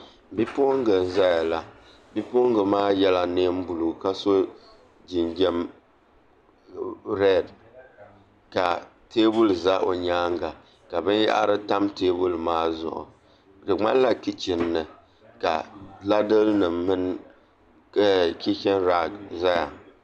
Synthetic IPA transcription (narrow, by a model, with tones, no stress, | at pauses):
bi˦po˦ŋɡɨ˨n˨za˦ja˨la˨ | bi˦po˦ŋɡɨ˨maː˦jɛ˦la˨neː˦m˦bu˨lu˨ka˦so˦ | d͡ʒi˨nd͡ʒɛ˦m | ɾɛ˦˨d | ka˨ | te˦bu˦lza˦ʔo˨ɲaː˦ŋɡa˨ | ka˨bɨ˦nja̰˦ʔa̰˦ɾɨ˦ta˦mteː˦bu˦lmaː˦zʊ̰˦˨ʔʊ̰˨ | dɨ˨ŋ͡ma˦la˦ki˦t͡ʃɪ˨nːɨ˨ | ka̰˨la˦dɨ˦lnɨ˨mːɨ˦n˦ | kʲi˦kɛ˦nɾa˦ɡza˦ja˨